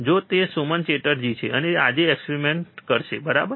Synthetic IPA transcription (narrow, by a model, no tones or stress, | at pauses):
d͡ʒot̪esumənt͡ʃeʈəɾd͡ʒit͡ʃʰeʔənea̰d͡ʒeːkspeɾimeɳʈkəɾʃebəɾa̰bəɾ